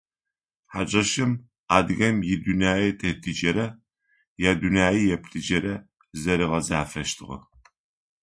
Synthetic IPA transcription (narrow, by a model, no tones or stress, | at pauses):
ħat͡ʃʼɐʃɨm | aːd̪ɨɣɐmjid̪unaːjitʰɐhtʰid͡ʒɐɾɐ | jaːd̪unjaːjijɛpʰɬʰid͡ʒɐɾɐ | zɐɾɨʁɐzaːfɐʃt̪ʰɨʁɐ̰